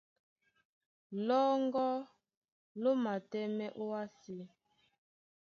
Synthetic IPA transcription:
lɔ˦ŋɡɔ˦ | lo˦ma˨tɛ˦mɛ˦ʔo˦a˦si˨

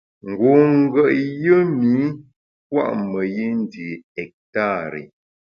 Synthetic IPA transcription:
ŋ̩˨ɡo˨ŋ̩˦ɡə˦˨ʔjə˦mi˨˦ | k̚wa̰˦˨ʔmə˨je˦n˦di˨ɛ˨k̚ta˦˨ɾḛ˨

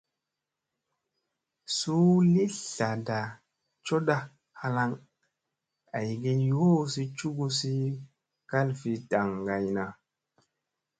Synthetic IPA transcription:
su˦li˦ɬa˨da˨ | t͡ʃo˦ɗa˦ | ha˧la˧˦ŋ | a˨jɡe˦jo˦si˦t͡ʃu˦ɡu˦si˦ | ka˦lfi˨ta˨ŋɡa˨jna˨

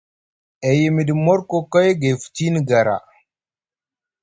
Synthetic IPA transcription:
ɛ˨je˨mi˨di˨mɔ˦ɾko˦kɔ˦jɡe˨fu̥˨ti˦ni˨ɡa˨ɾa̰˨

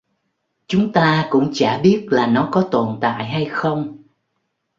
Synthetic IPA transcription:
t͡ɕʊ˨˦ŋ͡mt̪aː˧kʊ̰˧˥ŋ͡mt͡ɕaː˧˩ɓi˦˥ət̚laː˨˩nɔ˨˦kɔ˨˦t̪o˨˩nt̪a̰ː˧˨jɦa˧jxə˧wŋ͡m

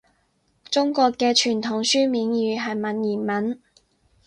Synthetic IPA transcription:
t͡sʊ˥ŋkɔː˧kːɛː˧t͡ʃʰyː˨˩nt̪ʰʊ˨˩ŋsyː˥miː˨˧njyː˨˧ɦɐ˨jmɐ˨˥njiː˨˩nmɐ˨˥n

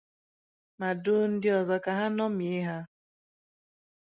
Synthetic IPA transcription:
ma˨dʊ˦n̩˦dɪ˦ɔ˨zɔ˦ka˨ɦa˦nɔ˦m˨e˦ɦa˦

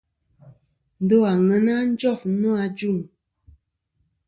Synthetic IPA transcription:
n̩˨˦do˦a˨ŋə˨˦na˦n̩˦d͡ʒɔ˦˨f̩˦nɔ˦a˧d͡ʒu˦˨ŋ

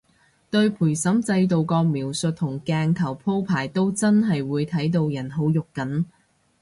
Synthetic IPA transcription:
t̪ɵ˧ɥpʰuː˨˩jsɐ˨˥mt͡sɐ˧jt̪̬o˨wkɔː˧miː˨˩wsɵ˨t̚t̪ʰʊ˨˩ŋkɛː˧ŋt̪ʰɐ˨˩wpʰo˥wpʰaː˨˩jt̪o˥wt͡sɐ˥nɦɐ˨jwuː˨˧jt̪ʰɐ˨˥jt̪̬o˧wjɐ˨˩nɦo˨˥wjʊ˨kːɐ˨˥n

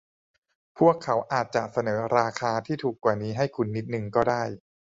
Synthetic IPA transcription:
pʰu˥˩əkʰːa˩˦˥wʔaː˨˩t̪̚t͡ɕa˨˩ʔ̚sa˧nɤː˩˦ɾaː˧kʰaː˧t̪ʰiː˥˩t̪ʰuː˨˩kːwaː˨˩niː˦˥ɦa˥˩jkʰu˧nːi˦˥t̪̚nɯ˨˩ŋkɔː˥˩daː˥˩j

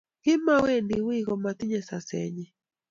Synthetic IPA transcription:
kɪ˦ma˦we˦ndi˨wɪ˦ɣɔ˨mat̪ɪ˦ɲɛ˨sa˨sɛ̰˨ɲɛ˨

